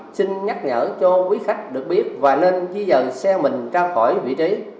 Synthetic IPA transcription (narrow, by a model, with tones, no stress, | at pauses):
si˧ŋɲa˦˥t̚ɲə̰ː˧˩t͡ɕɔ˧kwi˨˦xa˦˥jk̟̚ɗɨ˨˩ək̚ɓi˦˥ət̚vaː˨˩ne˧nzi˧zə˨˩˨sɛ˧mï˨˩ŋ̟t͡ɕaː˧wxɔ˧˩jvḭ˧˨t͡ɕi˨˦